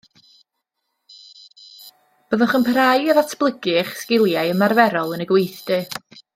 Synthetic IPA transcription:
b̥əðəχənpʰəɾajəðatʰb̥lˠəɡɨχskɪlˠjajəmarvɛɾɔlˠənəɡwejθd̥ɨ

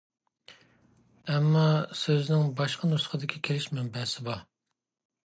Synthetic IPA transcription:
ɛmːɑsøznɪŋbɑʃqənusə̥χʰəd̪ɪkʲʰikʲʰelɪʃmɛmbɛsɪbɑ

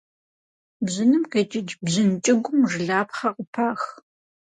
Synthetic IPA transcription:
bzɪnɨmqet͡ʃʼɪd͡ʒbʑɨnt͡ʃʼɪɡʷʊmʐɨɮaːpχɐqʷʊpʰaːx

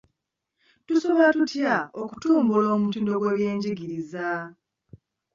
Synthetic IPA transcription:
tusoβatutjaoku̥tuːmbulo̞ːmutiːndo̞ɡwe̞ːβje̞ːɲɟiɡiɾiza

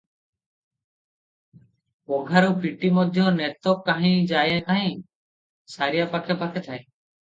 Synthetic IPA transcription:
pɔɡʱaɾupʰiʈimɔd̪ʱjɔnɛt̪ɔkːaɦĩd͡ʒajakaɦĩ | saɾijapakʰɛpakʰɛt̪ʰae

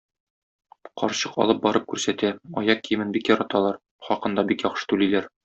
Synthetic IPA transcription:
qɒɾɕɤqɒ̰lˠɤp̚bɒɾɤp̚kʉɾsæt̪æɒ̰jɑq̚kːijɘ̆mɘnbikjɒɾɑt̪ɑlˠɑɾ | χɒqɤ̆nd̪ɑbikjɒχʃɤ̥t̪ʉlilæɾ

